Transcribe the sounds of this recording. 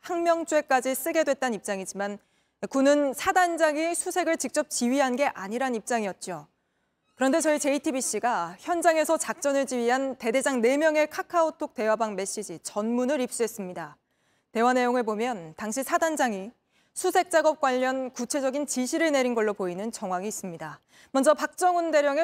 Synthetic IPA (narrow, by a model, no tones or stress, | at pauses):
haŋmjʌŋt͡ɕ͈ue̞k͈ad͡ʑis͈ɯɡe̞dwe̞t̚t͈anip̚t͡ɕ͈aŋid͡ʑiman | kunɯnsʰadand͡ʑaŋisʰusʰe̞ɡɯɭt͡ɕik̚t͡ɕ͈ʌp̚t͡ɕiɥiɦanɡe̞ʔaɲiɾanip̚t͡ɕ͈aŋiʌt̚t͡ɕ͈o | kɯɾʌnde̞t͡ɕʌit͡ɕe̞itʰibiɕ͈iɡaçjʌnd͡ʑaŋe̞sʰʌt͡ɕak̚t͡ɕ͈ʌnɯɭt͡ɕiɥiɦante̞de̞d͡ʑaŋne̞mjʌŋe̞kʰakʰaotʰok̚te̞wabaŋme̞ɕ͈id͡ʑit͡ɕʌnmunɯɾip̚s͈uɦe̞s͈ɯmɲida | te̞wane̞joŋɯɭbomjʌntaŋɕʰisʰadand͡ʑaŋi | sʰusʰe̞k̚t͡ɕ͈aɡʌp̚k͈waʎːʌnkut͡ɕʰe̞d͡ʑʌɡint͡ɕiɕʰiɾɯɭne̞ɾinɡʌɭːopoinɯnt͡ɕʌŋwaɡiːs͈ɯmɲida | mʌnd͡ʑʌpak̚t͡ɕ͈ʌŋɯnde̞ɾjʌŋe